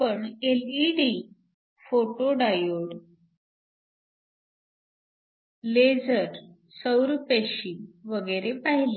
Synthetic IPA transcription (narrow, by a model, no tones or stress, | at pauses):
pəɳeliɖi | foʈoɖajoɽ | led͡zəɾ | səwɾupeɕiʋəɡəeɾepaɦile